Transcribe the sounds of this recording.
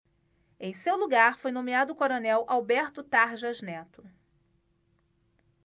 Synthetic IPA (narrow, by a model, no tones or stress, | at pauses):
ẽj̃sewluɡaɾfojnõmiad̪ʊːkoɾonɛwʔawbɛɾt̪ʊt̪aɾʒɐznɛt̪ʊ̥